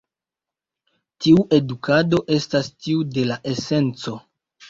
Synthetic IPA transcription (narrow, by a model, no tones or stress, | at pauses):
tiuʔe̞dukado̞ʔe̞stastiude̞laʔe̞se̞nt͡so̞